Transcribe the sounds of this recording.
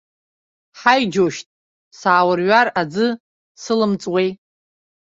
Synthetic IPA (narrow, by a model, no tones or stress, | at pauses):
ħajd͡ʒoʃtʼ | saːwɨrɥʷarad͡zɨ | sɨlɨmt͡sʼwejtʼ